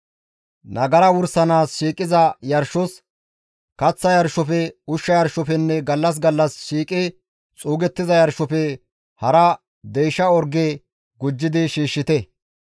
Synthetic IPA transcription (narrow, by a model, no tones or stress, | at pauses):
nɐɡɐɾɐwʊɾsɐnaːsʃiːkʼɪzɐjɐɾʃɔs | kɐt͡sːɐjɐɾʃɔfɛʊʃːɐjɐɾʃɔfɛnːɛɡɐlːɐs̬ɡɐlːɐsʃiːkʼɪ | t͡sʼuːɡɛt̪ːɪzɐjɐɾʃɔfɛ | hɐɾɐ | d̪ejʃɐɔɾɡeː | ɡʊd͡ʒːɪd̪ɪʃiːʃːɪt̪ɛ